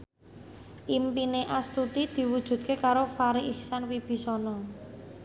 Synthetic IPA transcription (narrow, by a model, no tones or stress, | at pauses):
ʔimpineʔast̪ut̪id̪̥i̤wud̥ʒ̥ṳd̪̚kekaɾofaɾiʔihsanwib̥i̤sɔnɔ